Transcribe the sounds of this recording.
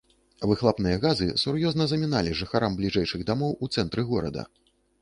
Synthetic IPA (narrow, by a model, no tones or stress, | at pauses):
vɨxlˠapnɨjɐɣazɨsuɾjɔznɐzɐmʲinalʲiʐɨxaɾamblʲiʐɛjʂɨɣd̪amɔwut̪sɛnt̪ɾɨɣɔɾɐ̰d̪ɐ̰